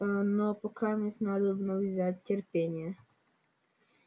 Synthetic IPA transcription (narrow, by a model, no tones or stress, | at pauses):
nɔpɔkʰamɛsʲnad̪ɔbnɔwzʲatʲtʲerpʲɛnʲjɐ